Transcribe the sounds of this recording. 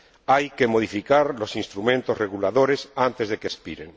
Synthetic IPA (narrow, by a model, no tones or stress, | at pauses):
ajke̞moð̞ifikaɾlo̞sinst̪ɾumẽnt̪ozreɣulaðo̞ɾesant̪e̞zðe̞kespiɾeŋ